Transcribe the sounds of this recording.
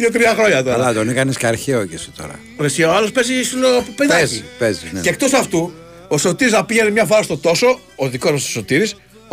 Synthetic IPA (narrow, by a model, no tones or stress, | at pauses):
jot̪ɾiɐxɾo̞ɲɐt̪olɐt̪onikɐnisceɐɾçeocise̥t̪o̰ɾɐ̰ | ɾesioalospezisulopopenɐzipezineek̚t̪o̞sɐft̪u | oso̞t̪iɾiznɐpiʝenemɲɐvɐɾost̪o̞t̪o̞so̞ː | ðiko̞zmɐst̪oso̞t̪iɾis